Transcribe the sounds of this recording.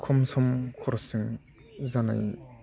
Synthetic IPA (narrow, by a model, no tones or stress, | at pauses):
kʰɔmsɔmkʰɔɾɔsiŋ | zana̰j